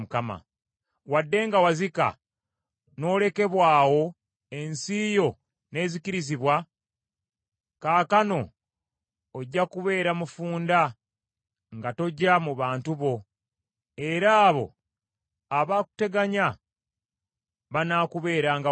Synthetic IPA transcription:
mukama̰ | wadːe̞ŋɡawazika̰ | no̞ːle̞ke̞βwaːwo̞ | e̞nsijo̞ | ne̞ːziciɾiziβwa | kaːkano̞ | ɟːakuβe̞ːɾamufuːnda | ŋɡato̞ɟːamuβaːntuβo̞ | e̞ɾaːβo̞̰ | aβaːku̥te̞ɡaɲa | βanaːkuβe̞ːɾaŋɡa

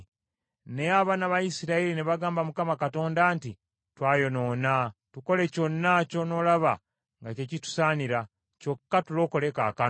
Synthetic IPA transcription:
neaβanaβajisiɾaiɾineβaɡaːmbamukamakato̞ːndanti | twaːjo̞no̞ːnatuko̞le̞co̞nːaco̞no̞laβa̰ | ŋɡace̞citu̥saːniɾa | co̞kːatulo̞ːkole̞ka̰ːka

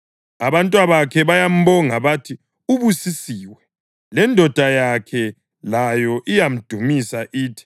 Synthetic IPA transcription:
aβantʼwaβakʰɛβajam̩βɔŋaβatʰi | uβusisiːwɛ | lɛndʱɔd̥ʱajakʰɛ | lajɔʔijam̩d̥ʱumisaʔiːtʰi̥

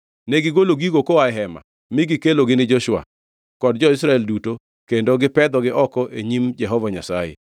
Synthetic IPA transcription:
nɛɡɪɡoloɡiɡokoaɛɦɛma̰ | mɪɡɪkeloɡɪnɪd͡ʒɔʃwa̰ | kɔdd͡ʒɔɪsɾaɛlduto | kendoɡɪpɛd̪ɔɡɪʔɔkɔʔeɲimd͡ʒɛɦɔvaɲasajḛ

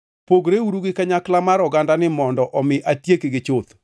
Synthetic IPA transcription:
poɡɾeuɾuɡɪkaɲaklamaɾɔɡandanɪmɔndɔʔɔmɪʔatjekɪɡɪt͡ʃot̪

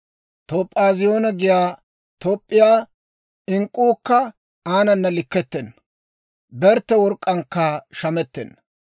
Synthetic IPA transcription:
t̪ɔpʼːaːzɪjo̞ːnɐɡɪjaː | t̪ɔpʼːɪjaː | ɪŋkʼːuːkːɐ | aːnɐnːɐlɪkːɛt̪ːɛnːɐ | bɛɾt̪ːɛwɔɾkʼːɐŋkːɐʃɐmɛt̪ːɛ̰nːɐ

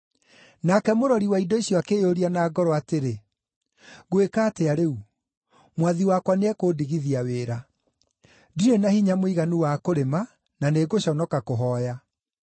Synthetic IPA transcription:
nakɛmoɾɔɾiwaidɔiɕjɔakejoɾianaːɡɔɾɔateɾe | ɣwekaːteaɾeu | mwaðiwakwaneɛkoːdiɣiðiaweːɾa | diɾenahiɲamoiɣanuwakoɾema | naneɡoɕɔnɔkakoɦɔja

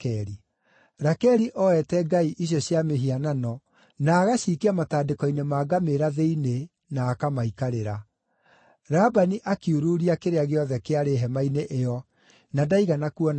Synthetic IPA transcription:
kɛɾi | ɾakɛɾiʔɔɛtɛɡaiʔiɕjɔɕjameɦiananɔ | naːɣaɕiːkeamataːdekɔinemaːɡameɾaðeine | naːkamaikaɾeɾa | ɾaːbaniʔakiuɾuːɾiakeɾeaɣeɔðɛkeaɾeɦɛmaineʔeɔ | nadaiɣanakuɔn

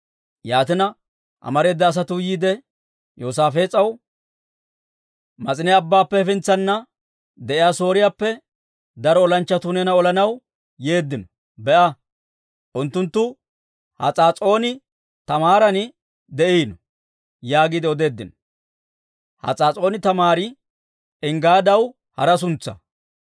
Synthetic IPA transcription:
jaːt̪ɪnɐ | ʔɐ̰mɐɾe̞ːd̪ːɐːs̬ɐt̪ʊjiːd̪ɛ | joːs̬aːfe̞ːt͡sʼɐw | mɐt͡sʼɪnɪjaːbːaːpːɛfɪnt͡sːɐnːɐ | d̪ɛʔɪjaːso̞ːɾɪjaːpːɛ | d̪ɐɾɔɔlɐnt͡ʃːɐt̪uːnɛnɐɔlɐnɐw | je̞ːd̪ːɪnɔ | bɛʔɐ | ʔʊnt̪ːʊnt̪ːʊ | hɐ̰t͡sʼaːt͡sʼo̞ːnɪ | t̪ɐmaːɾɐnɪ | d̪ɛʔinɔ | jaːɡɪd̪ɪɔd̪e̞ːd̪ːɪnɔ | hɐ̰t͡sʼaːt͡sʼo̞ːnɪt̪ɐmaːɾɪ | ɪŋɡaːd̪ɐw | hɐ̰ɾɐs̬ʊnt͡sːɐ̰

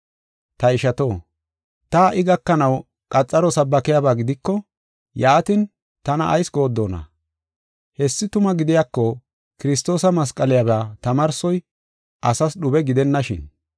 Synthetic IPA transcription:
t̪ɐɪʃɐt̪o̞ː | t̪aːʔɪɡɐkːɐnɐw | kʼɐt͡sʼːɐɾɔsɐbːɐkɪjaːbaːɡɪd̪ɪkːɔ | jaːt̪ɪn | t̪ɐnɐʔːjsɡo̞ːd̪ːoːnɐ̰ | hɛsːɪt̪ʊmɐɡɪd̪ɪjakːɔ | kɪɾɪs̬t̪o̞ːsɐmɐs̬kʼɐlɪjabat̪ɐmɐɾsɔj | ʔɐsɐsɗʊbɛɡɪd̪ɛnːɐʃɪ̰n

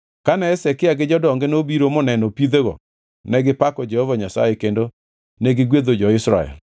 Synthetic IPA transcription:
kanɛːsɛkɪaɡɪd͡ʒɔdɔŋɡenobiɾomɔnɛnɔpid̪eɡɔ̰ | nɛɡɪpakɔd͡ʒɛhovaɲasa̰jekendo | nɛɡɪɡwed̪od͡ʒɔɪsɾa̰ɛ̰l

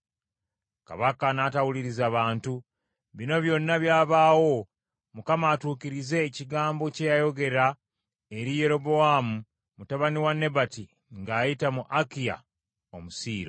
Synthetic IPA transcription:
ka̰βakanatawuliɾizaːβaːntu | βino̞βjo̞nːaβjaːβaːwo̞ | mukamaːtuːkiɾize̞ːciɡaːmbo̞cejajo̞ɡe̞ɾa | e̞ɾije̞ɾo̞bo̞amu | mutaβaniwanːe̞bati | ŋɡaːjitamuʔakija̰ | omusiːɾo

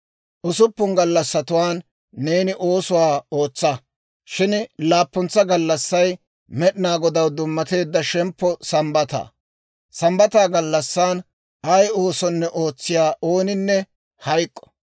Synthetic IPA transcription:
ʔʊsʊpːʊŋɡɐlːɐsːɐt̪ʊwaːnː | eːnɪʔo̞ːsʊwaːo̞ːt͡sːɐ | ʃɪnlaːpːɔnt͡sːɐɡɐlːɐsːɐj | mɛɗɪnaːɡɔd̪ɐwd̪ʊmːɐt̪e̞ːd̪ːɐʃɛmpːɔsɐmbɐt̪a̰ː | sɐmbɐt̪aːɡɐlːɐsːaːn | ɐjo̞ːsɔnːɛʔo̞ːt͡sːɪjaːʔo̞ːnɪnːɛ | hɐjkʼːɔ̥

